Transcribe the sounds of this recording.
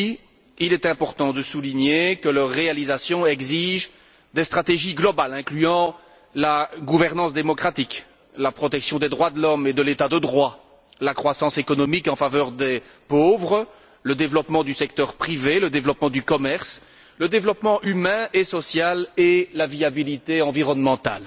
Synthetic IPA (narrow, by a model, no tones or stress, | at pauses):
ilɛt̪ɛ̃pɔʁt̪ɑ̃d̪əsuliɲekələʁːealizasjɔ̃ɛɡziʒ | d̪est̪χat̪eʒiɡlɔbalɛ̃klyɑ̃ | laɡuvɛʁnɑ̃sd̪emɔkχat̪ik | lapχɔt̪ɛksjɔ̃d̪ed̪ʁwad̪əlɔmed̪əlet̪ad̪əd̪ʁwa | lakχwasɑ̃sekɔnɔmikɑ̃favœʁd̪ɛ | povʁə | ləd̪evlɔpmɑ̃d̪ysɛkt̪œʁpχiveləd̪evlɔpmɑ̃d̪ykɔmɛʁs | ləd̪evlɔpmɑ̃ʔymɛ̃esɔsjalelaviabilit̪eɑ̃viʁɔnmɑ̃t̪a̰l